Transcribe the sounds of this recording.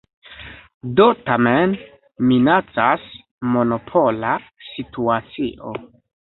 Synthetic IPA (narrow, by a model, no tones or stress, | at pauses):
dotamen | minat͡sas | mono̞pʰolasituat͡siʔo